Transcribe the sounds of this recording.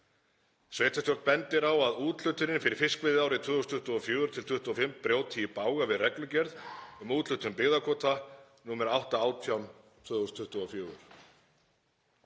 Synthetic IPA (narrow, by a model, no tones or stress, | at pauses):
sveːjt̪ʰast̪jɔɾt̪pɛnt̪ɪɾawaðuːt̪l̥ʏt̪ʏɾɪnfɪɾɪɾ̥fɪskvɪðaːwɾɪt̪ʰvœːðust̪ʰʏht̪ʏɔfjøːɣʏɾ̥t̪ʰɪlt̪ʰʏht̪ʏɔfɪmpɾjoːwt̪ʰiːpaːwɣavɪðrɛklʏcɛɾðʏmuːt̪lʏt̪ʏmpɪɣðakʰɔːt̪ʰanuːmɛɾawht̪aaːwt̪ʰjawm | t̪ʰvœːðust̪ʰʏht̪ʏɔfjoːɣʏɾ̥